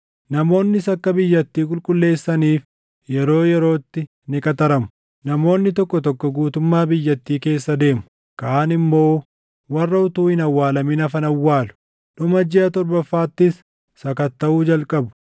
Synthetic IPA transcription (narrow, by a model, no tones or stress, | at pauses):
nɐmo̞ːnːɪsɐkːɐbɪjːɐt̪ːiːk̬ʼʊlkʼʊlːe̞ːsːɐniːf | jɛɾo̞ːjɛɾo̞ːt̪ːɪ | nɪkʼɐt̪ɐɾɐmʊ̥ | nɐmo̞ːnːɪt̪ɔkːɔt̪ɔkːɔɡuːt̪ʊmːaːbɪjːɐt̪ːiːke̞ːsːɐd̪e̞ːmʊ | kaːnɪmːo̞ː | wɐrːɐʊt̪uːhɪnɐwːaːlɐmɪnɐfɐnɐwːaːlʊ̥ | ᶑʊmɐd͡ʒɛɐt̪ɔɾbɐfːaːt̪ːɪsː | ɐkɐt̪ːɐuːd͡ʒɐlkʼɐbʊ̥